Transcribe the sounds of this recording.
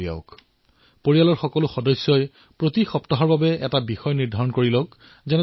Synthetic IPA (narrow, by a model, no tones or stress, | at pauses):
ia̰ʊk | poɹijalɔɹxɔkɔlʊxɔdɔsjɔj | pɹotixɔptɔɦɔɹbabɛɛtabixɔjniɹdʱaɹɔnkoɹilɔk | zɛnɛ